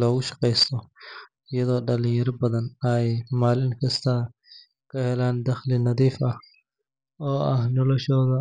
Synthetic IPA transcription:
lɔːɣʊʃɑ̥qɛjst̪ʰɔ | ɪjɐðɔːɖɐlijɐɾbɐðɐnɐjmaːlɪŋkʰɐst̪ʰa | kʰɐhɛlaːnd̪ɐxlɪnɐðiːfʔɐh | ɔːʔɐhnɔlɔʃɔːðɐ

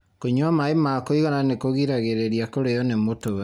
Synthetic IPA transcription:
koɲwamaemakoiɣananekoɣiɾaɣeɾeɾiakoɾejɔnemotow

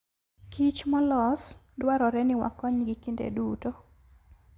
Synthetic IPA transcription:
kit͡ʃmɔlɔs | dwaɾɔɾɛnɪwa̰kːɔɲɡikindḛduto

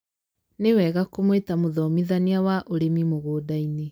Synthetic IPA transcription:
newɛɣakomwetamoðɔmiðaniawaʔoɾemimoɣoːdaine

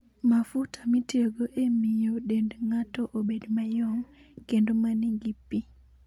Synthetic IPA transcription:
mafutʰamitioɡoʔemijoɗendŋatɔʔobedmajɔŋ | kendomaniŋɡipːi

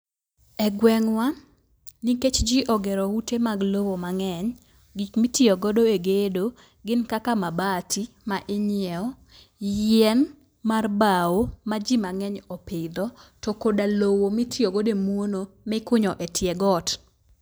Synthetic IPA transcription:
ɛɡwɛŋwa | niket͡ʃd͡ʒiʔɔɡeɾɔwutemaɡlowomaŋɛɲ | ɡikmitiɔɡɔdoeɡedo | ɡɪnkakamabatʰi | maʔeɲjɛɔ | jɛn | marbawomad͡ʒimaŋɛɲɔpɪd̪ɔtɔkodalowomitioɡodemwonomɪkʊɲɔʔɛtʰjɛɡɔt

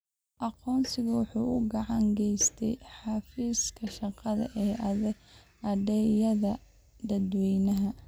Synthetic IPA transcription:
ʔɑqɔːnsɪɣɐwʊħuːʔʊɡɑʕɑŋɡɛjst̪ʰɛ̰jħɑfiːskʰɐʃɑqɑðɐ̰ʔɛː | ʔɑdɛjɐðɐ | d̪ɐd̪wɛjnɐɦɐ

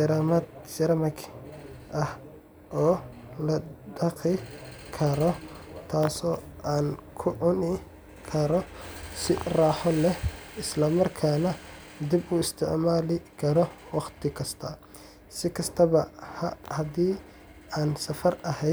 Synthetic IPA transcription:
ɾɐmɐd̪t͡ʃɐɾɐmɐkʰʔɐh | ʔɔː | lɐdɑqɪkʰɐɾɔt̪ʰaːsɔːʔaːnkʰʊʕʊnɪ | kʰɐɾɔsɪraːħɔlɛhʔɪslɐmɐrkʰaːnɐ | d̪ibʊːɪst̪ʰɪʕmaːlɪkʰɐɾɔwɑχt̪ʰɪkʰɐst̪ʰɐ | sɪkʰɐst̪ʰɐβɐhɐhɐd̪iː | aːnsɐfɐrɐhɛjd̪

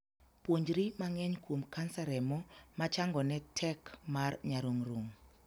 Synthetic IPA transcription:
pwoɲd͡ʒɾimaŋɛɲkwomkansaɾɛmɔmat͡ʃaŋɡɔnɛtʰɛkmarɲaɾuŋroŋ

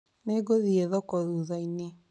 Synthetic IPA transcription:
neɡoðieðɔkɔðuðaine

